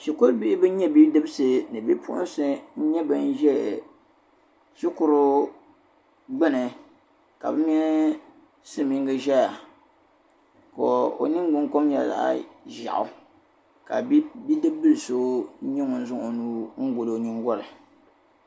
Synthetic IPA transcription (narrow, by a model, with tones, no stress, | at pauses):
ʃi˨ko˦lbi˦ɪ˦bɨ˦ɲɛ˦bi˦dɨ˦bɨ˦sɨ˨nɨ˨bi˦pʊ̰˦ʔʊ̰˦n˦sɨ˦n̩˦ɲɛ˦bɨ˦n̩˦ʒɛ˦˨ | ʃʊ˦kʊ˦ɾʊ˦ | ɡ͡bɛ˦nɨ˨ | ka̰˨bɨ˦m˦ɛ˦n˦ | sɨ˦mi˦ŋɡɨ˦ʒɛ˦ja˨ | ko˨o̰˨nɨ˦ŋ˦ɡ͡bʊ˦ŋ˦ko˦mjɛ˨la̰˨ʔa̰˦˨ʒa̰˨ʔʊ̰˨ | ka̰˨˦bi˦dɨ˦bːɨ˦lso˦ɲɛ˦ŋʊ˨n̩˦zʊ˦ŋ˨o˨nuː˦ŋ̩˦ɡʊ˨lo˦˨nɨ˦ŋ˦ɡɔ˦lɨ˨